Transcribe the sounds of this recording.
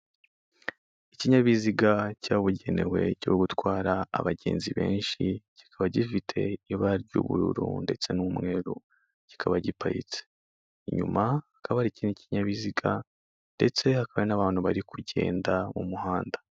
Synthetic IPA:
iciɲaβiziɡacaːβuɟe̞ne̞we̞ciβoɡutkwaːɾa̰ːβaɟeːnziβe̞ːnʃiɟ̥i̥kʰaβaɟifitʰe̞iβaɾɟṵβṵɾṵɾṵnde̞t͡se̞numŋe̞ɾu | ɟ̥i̥kʰaβaɟipaɾḭt͡se | iɲṵmaakʰaβaɾiciniciɲaβiziɡa | nde̞t͡se̞hakaβaenaβaːn̥huβaɾikuɟe̞̰ːndamumuhaːndḁ

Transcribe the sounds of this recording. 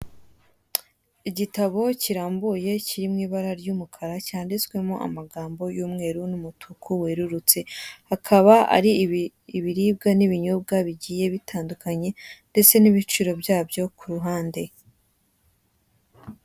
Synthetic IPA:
iɟitaβo̞ciɾaːmbuje̞ciɾimŋiːβaɾaɾjuːmukʰaɾacaːndit͡swe̞moʔa̰maɡaːmbo̞juːmŋe̞ːɾunumutʰukʰuweɾuɾut͡se̞hakʰaβaa̰ɾi | iβiɾiːb̚ɡaniβiɲob̚ɡaβiɟiːje̞βitʰaːndukaɲe̞nde̞t͡se̞niβit͡ʃuɾo̞bjaːbjo̞kʰuɾuɦaːnde̞

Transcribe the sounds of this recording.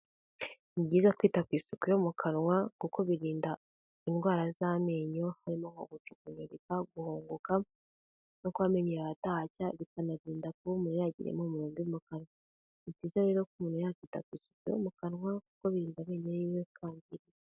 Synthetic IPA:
niɟiːzakwiːtakwiːsukujo̞mukʰanwakukʰo̞βiɾiːnda | inɡwaːɾazameːɲo̞haɾimoŋo̰ɡut͡ʃukuɲoβikaɡuhoːŋɡoka | nokwaːme̞ɲiɾaβatacaβikanaɾiːndakumunujaɟḭɾḛmomuɾoːmdijomukanwa | iciːzaɾe̞ːɾokumunujakwiːta̰kwiːsu̥kujo̰mukanŋwakuko̞βiɾiːndaβeːɲeniwekʰaːɲdiɾi

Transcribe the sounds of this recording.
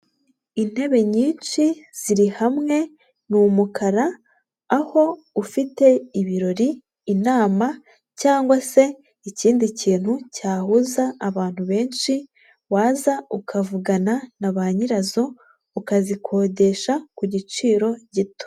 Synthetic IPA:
in̥he̞βe̞ɲiːnt͡ʃiz̥iɾihamŋe̞ | numukʰaɾaː | ho̞ | ufite̞iβiɾo̞ɾiː | naːma | caːŋɡwase̞ | iciːndiciːn̥hucaːhuzaːβaːn̥huβe̞ːnʃi | waːzaukʰavuɡananaβaɲiɾazo̞ | ukazikʰo̞ːɟe̞ʃakuɟit͡ʃiːɾo̞ɟito̥

